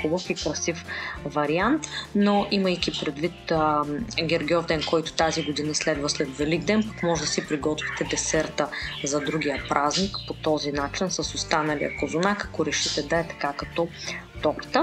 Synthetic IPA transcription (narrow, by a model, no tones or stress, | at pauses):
xubəfikɾɐsifvɐɾiant̪noʔiməjk̟ipɾɛd̪vit̪ | ɡʲɛɾɡiɔd̪ɛnkɔjt̪ʊ̥t̪aziɡod̪inɐslɛd̪vɐslɛt̪vɛliɡd̪ɛnpɐkmɔʒɛd̪ɐsipɾiɡɔt̪vit̪ɛd̪ɛsɛɾt̪əzɐd̪ɾuɡ̟ijəpɾʔaznikpot̪ɔzinat͡ʃinsɐsʊst̪anɐlḭjɐ̰kozʊnakɐ̥koɾɛʃit̪ɛd̪ɐɛt̪ɐ̥kakɐt̪ɔt̪ɔɾt̪ə